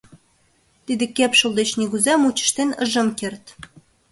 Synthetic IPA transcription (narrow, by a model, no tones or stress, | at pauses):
t̪id̪ɘ̆kæpʃŏlˠd̪et͡ɕniɣuzæmut͡ɕə̥̆ʃt̪enɤ̰ʒɤ̆mkert̪